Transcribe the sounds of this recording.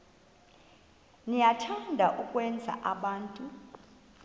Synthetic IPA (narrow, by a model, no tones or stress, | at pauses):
nijatʰandʱaʔukʼwɛnd͡zʱa̰ʔaɓaːntʼu